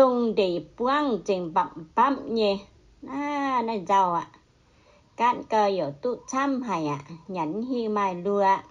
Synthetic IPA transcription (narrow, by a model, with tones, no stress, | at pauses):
to˧ŋde˨˩pu˧ə˨ŋt͡ɕi˨ŋba˧˩mb̥a˧˥˨mɲe˧ | naː˧˦na˧˩jza˧wa˨ʔ | ka˧˥˨nkəː˧˩ji˨˩˨t̪u˧˥t͡sʰa˧˥˨mɦa˨˩ja̰˨ʔɲa˨˦nhi˧maː˧jlu˧ə˧